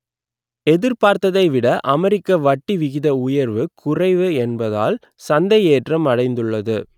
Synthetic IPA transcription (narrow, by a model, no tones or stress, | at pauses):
ɛðɪɾpaːɾt̪ɐðɐɪʋɪɽɐʔɐmɛɾɪkːɐʋɐʈːiʋɪɣɪðɐʊjɐɾʋɯkʰʊrɐɪʋɯɛnbɐða̰ːl | sɐnd̪ɐjeːʈrɐmɐɽɐɪnd̪ɯɭːɐðɯ